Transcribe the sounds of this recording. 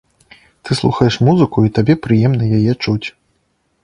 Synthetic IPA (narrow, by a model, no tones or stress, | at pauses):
t̪ɨslˠuxɐjɛʂmuzɨkuit̪abʲɛpɾɨjɛmnɐjajɛt͡ʂut͡sʲ